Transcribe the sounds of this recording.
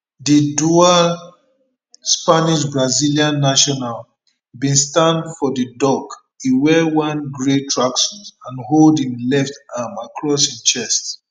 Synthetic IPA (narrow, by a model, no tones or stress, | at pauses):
didua | spaniʃ̬bɹaziliãnːaʃɔnal | bĩnstãndfɔdədɔk | iwɛwãnɡɹetʰɹaksɔ̃zãnholdĩmlɛftamakʰɹɔshit͡ʃɛst